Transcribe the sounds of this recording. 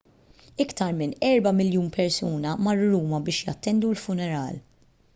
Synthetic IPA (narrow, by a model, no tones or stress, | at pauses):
ɪkt̪ɐɾmɪnɛɾbɐmɪljuːnpʰɛɾsuːnɐmɐrːʊɾuːmɐbɪːʃjɐ̰t̪ːɛnd̪ulfʊnɛɾɐ̰ːl